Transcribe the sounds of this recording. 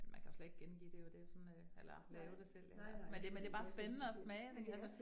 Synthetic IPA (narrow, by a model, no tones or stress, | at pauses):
enmænkʰæjosled̥e̥ɡ̥̚enɡ̥ḭːd̥e̝jɒd̥e̝jo̝sɒ̽nøelɐlɛːʊd̥esel̰æmend̥emend̥b̥ɑ̈ːsb̥enənəɒsmɛːd̥eŋælsə